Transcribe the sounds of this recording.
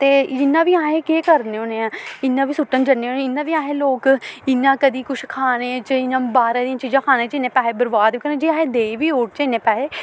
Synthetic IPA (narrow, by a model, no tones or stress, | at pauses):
t̪eːd͡ʒɪnːãːʋiːaːɦẽːkeːkəɾneːoːnẽãːɪnːãːʋiːsʊʈːənd͡ʒəneːoːnẽɪnːãːʋiːaːɦeːloːkɪnːãːkəd̪iːkʊʃʰkʰaːneːt͡ʃəɪnːãːbaːɾãd̪ijãːt͡ʃiːd͡ʒãːkʰaːnẽːt͡ʃɪnːẽːpɛːeːbəɾbaːd̪ʋiːkəɾnẽːd͡ʒiaːɦẽːd̪eːʋiːoːʈt͡ʃɪnːẽːpɛːɦeː